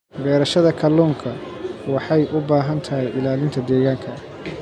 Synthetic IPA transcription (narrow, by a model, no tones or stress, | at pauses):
bɛːɾɐʃɐðɐkʰɐlːɔːŋkʰɐ | wɑħɑjʔʊbaːɦɐnt̪ʰɐɦɛjʔɪlaːlɪnt̪ʰɐd̪ɛːɣaːŋkʰɐ